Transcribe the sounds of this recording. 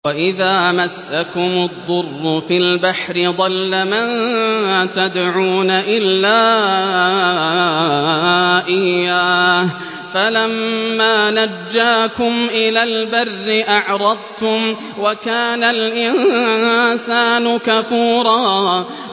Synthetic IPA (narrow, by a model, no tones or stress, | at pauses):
waʔɪðaːmasːakʊmʊd̪ˤːʊrːʊfilbaħɾɪd̪ˤɑlːaman | t̪ad̪ʕuːnaʔɪlːaː | ʔɪjːaːh | falamːaːnad͡ʒːaːkʊmʔɪlaːlbarːɪʔaʕɾˤɑd̪̚ˤt̪ʊm | wakaːnalʔɪn | saːnʊkafuːɾˤɑː